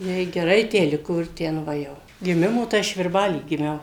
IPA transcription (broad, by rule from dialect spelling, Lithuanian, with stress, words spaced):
ˈjɛɪ ɡʲɛˈrɐɪ ˈtʲæː ˈlʲɪkoː ɪr ˈtʲɛn ˈʋɐ jɛʊ ɡʲɪˈmʲɪmoː tɐɪ ˈɐʃ ʋʲɪrˈbɑːlʲiː ɡʲɪˈmʲɛʊ